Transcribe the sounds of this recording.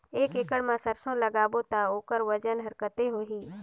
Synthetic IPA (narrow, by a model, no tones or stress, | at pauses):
eːkɪkəɽmãsəɾsõləɡaːbot̪aoːkəɾʋəd͡ʒənɦəɾkət̪eɦoːɦiː